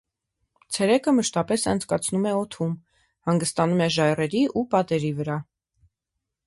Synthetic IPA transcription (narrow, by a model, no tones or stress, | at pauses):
t͡sʰɛɾɛkəməʃt̪ɑpɛsɑ̰nt͡sʰkɑt͡sʰnumɛɔt̪ʰum | hɑŋɡəst̪ɑnumɛʒɑjrɛɾiʔupɑt̪ɛɾivəɾɑ